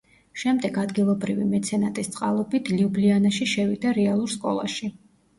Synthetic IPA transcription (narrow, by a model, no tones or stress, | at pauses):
ʃɛmd̪ɛɡad̪ɡilˠɔbɾivimɛt̪sʰɛnat̪ʼist̪sʼqʼa̰lˠɔbit̪ʰliublianaʃiʃɛvid̪aɾɛalˠuɾskʼɔ̰lˠa̰ʃi